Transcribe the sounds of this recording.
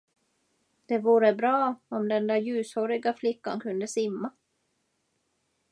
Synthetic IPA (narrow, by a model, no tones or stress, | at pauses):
d̪̥ɛvuːɾəbɾɑːɔmd̪ɛnd̪æjʉ̟ːshɔɾɪɡaflɪkːa̰nkʰɵnd̪əsɪmːa